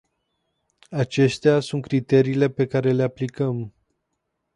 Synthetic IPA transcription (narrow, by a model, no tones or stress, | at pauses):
at͡ʃe̞st̪easunt̪̚kɾit̪e̞ɾiːle̞pe̞kaɾe̞le̞aplikəm